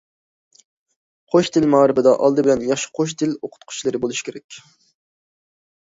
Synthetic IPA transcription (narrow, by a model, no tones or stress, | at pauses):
qʰoʃt̪ʰɪlmɑːɾɪbɪd̪ɑʔɑlˠd̪ɨbɪlɛnjɑχʃɪ̥qʰoʃ̬t̪ʰɪloqʰʊ̥t̪qʰʊ̥t͡ʃlˠɨɾɪbolˠuʃi̥kʰʲeɾɛkʲ